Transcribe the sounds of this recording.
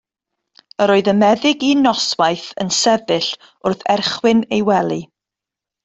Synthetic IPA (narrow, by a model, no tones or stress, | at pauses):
əɾoːɨðəmɛðɪɡinɔswajθənsɛðɪɬ | ʊrθɛrχwɪnejwɛlˠi